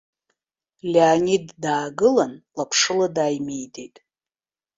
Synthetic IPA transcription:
lʲeanidːaːɡɨlanlapʰʂɨladaːjme̞jde̞jtʼ

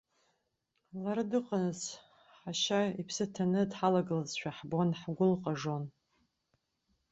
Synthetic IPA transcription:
laɾɨdɨqʼanɨz | ħaʃaipʰsɨtʰanɨdħalaɡalazʃʷᶣaħbonħɡʷʊlqʼaʐon

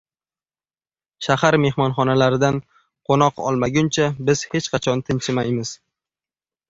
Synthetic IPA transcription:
ʃahaɾme̞hmɒnχɒnalaɾɪd̪an | qʰonɒqɒ̰lˠmaɡʲʊnt͡ʃʰabɪz̥he̞t͡ʃqɑt͡ʃʰɒnt̪ʰɪnt͡ʃʰɪmajmɪz̥

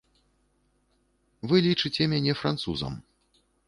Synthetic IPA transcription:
vɨlʲit͡ʂɨt͡sʲɛmʲanʲɛfɾant̪sṵzɐ̰m

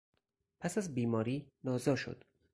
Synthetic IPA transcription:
pʰæsæzbiːmɒːɾiːnɒːzɒːʃo̰d̪̥

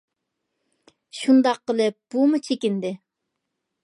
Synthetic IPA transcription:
ʃund̪ɑqːəlˠɨp̚b̥umut͡ʃʰekʲind̪ɪ

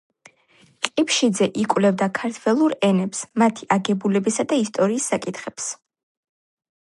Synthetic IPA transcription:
qʼipʃid̪zɛʔikʼwvlɛvd̪akʰaɾt̪ʰwɛlˠuɾɛnɛpsmat̪ʰiʔaɡɛbulɛbisad̪aist̪ʼɔɾiːsːakʼit̪ʰχɛps

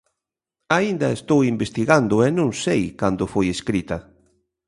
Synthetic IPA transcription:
aind̪ɐest̪owimbest̪iɣand̪ʊɛnõŋsejkand̪ʊfojeskɾit̪ɐ

